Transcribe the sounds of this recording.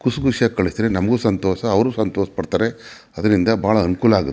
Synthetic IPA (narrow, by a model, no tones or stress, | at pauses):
kusukuʂjakɐɭist̪ɾenɐmɐɡuːsɐnt̪ɔːʃɐːʋɐɾuːsɐnt̪ɔːʂɐ̥pɐɽt̪aːɾe̞ | ɐd̪ɐɾind̪ɐbʱaːɭɐɐnukuːlɐaːɡut̪ː